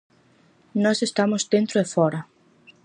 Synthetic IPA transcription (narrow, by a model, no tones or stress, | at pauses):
nɔsest̪amʊzd̪ẽnt̪ɾoefɔɾɐ